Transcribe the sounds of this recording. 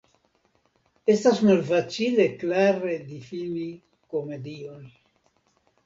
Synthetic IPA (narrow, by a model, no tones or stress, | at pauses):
est̪asmalfat͡ʃile̞klaɾed̪ifini | kome̞d̪ion